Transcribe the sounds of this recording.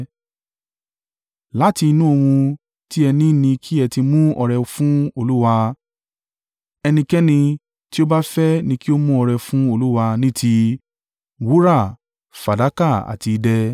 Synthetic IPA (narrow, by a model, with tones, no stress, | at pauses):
la˦ti˧i˧nũ˦o˧wũ˧ | ti˦ɛ˧nĩ˦nĩ˧kʰi˦ɛ˧ti˧mũ˦ɔ˧ɾɛ˧fũ˦o˧lu˦wa˧ | ɛ˧nĩ˧kɛ˦nĩ˧ | ti˦o˦ba˦fɛ˦nĩ˧ki˦o˦mũ˦ɔ˧ɾɛ˧fũ˦o˧lu˦wa˧nĩ˦tʰi˦ | wu˦ɾa˦˨ | fa˨da˨˦ka˦˨a̰˨ti˧dɛ˦